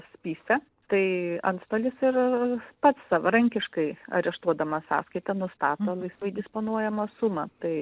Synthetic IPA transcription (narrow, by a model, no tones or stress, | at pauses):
sʲpʲiːsʲɛ | t̪ɐɪɐ̰nt̪st̪oːlʲɪsɪrpɐt̪ssɑʋɐɾɐŋʲkʲɪʃkɐɪɐ̰ɾʲɛʃt̪uɔd̪ɐmɐsɑ̰ːskɐɪt̪ɐnʊst̪ɑːt̪oːlˠɐɪsʋɐɪd̪ʲɪspoːnuɔjɛmɐsumɐt̪ɐɪ